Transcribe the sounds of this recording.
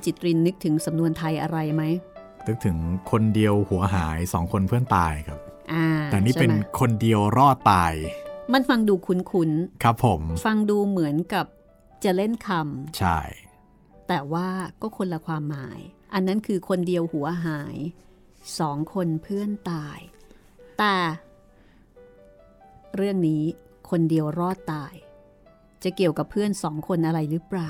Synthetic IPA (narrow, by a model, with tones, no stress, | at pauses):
t͡ɕi˨˩t̪̚ɾi˧nːɯ˦˥k̚t̪ʰɯ˩˦ŋsa˩˦mnu˧ənt̪ʰa˧jʔa˧ɾa˧jma˦˥j | nɯ˦˥k̚t̪ʰɯ˩˦ŋkʰo˧ndi˧əwhu˩˦ɐɦaː˩˦jsɔː˩˦ŋkʰo˧npʰɯ˥˩ənt̪aː˧jkʰa˦˥p̚ʔaː˧˩˨niː˥˩˥pe˧nkʰo˧ndi˧əwɾɔː˥˩tt̪ːaː˧jma˧nfa˧ŋduː˧kʰu˧nkʰu˧˥nkʰɾa˦˥pʰːo˩˦mfa˧ŋduː˧mɯ˩˦ənka˨˩p̚ | t͡ɕa˨˩le˥˩nkʰa˧mt͡ɕʰa̰˥˩j | t̪ɛː˨˩waː˥˩kɔː˥˩kʰu˧nla˧kʰwaː˧mːaː˩˦jʔa˧nːa˦˥nkʰɯː˧kʰo˧ndi˧əwhu˩˦ɐɦaː˩˦j | sɔː˩˦ŋkʰo˧npʰɯ˥˩ənt̪aː˧j | t̪ɛː˨˩ | ɾɯ˥˩əŋniː˦˥ | kʰo˧ndi˧əwɾɔː˥˩t̪ːaː˧j | t͡ɕa˨˩ki˨˩əwka˨˩pʰɯ˥˩ənsɔː˩˦ŋkʰo˧nʔa˧ɾa˧jɾɯː˦˥pɾaː˨˩w